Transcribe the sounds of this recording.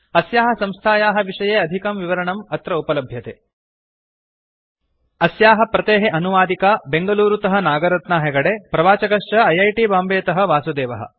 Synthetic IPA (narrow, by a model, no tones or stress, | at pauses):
ɐsjaːɦɐsɐmst̪ʰaːjaːɦɐʋiʂɐjeːɐd̪ʱikɐmʋiʋɐɾɐɳɐmɐt̪ɾɐupɐlɐbʱjɐt̪eː | ɐsjaːɦɐ̆pɾɐt̪eːɦeʔɐnuʋaːd̪ikabeŋɡɐluːɾut̪ɐɦɐnaːɡɐɾɐt̪naːɦeɡɐɽepɾɐʋaːt͡ʃɐɡɐʂt͡ʃɐɐjɐjʈibaːmbeːt̪ɐɦɐ̆ʋaːsud̪eːʋɐɦɐ̰